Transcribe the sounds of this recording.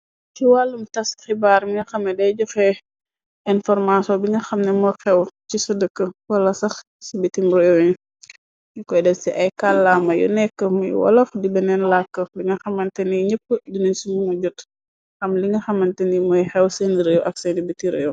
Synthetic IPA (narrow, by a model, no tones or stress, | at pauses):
kiwalːumtɐstxibaːɾmiŋɡɐxɐmːɛdɛjɟɔxɛ | ʔɛnfɔrmasɔbiŋɡɐxɐmnɛmɔxɛwcisɐdəkːəwɐlːɐsɐx | sibitimɾɛjoɲu | jukɔjdɛssiʔɐjkalːaːmɐjṵnɛkːəmṵj̰wɐ̰lɐxdibɐnɛnlakːəbiŋɐxɐmːɐntɛniɲəpːədunənsimuŋɐɟut | xɐmliŋɡɐxɐmɐntɛnimɔjxɛwsɛniɾɛjwʔɐksɛndibitiɾeju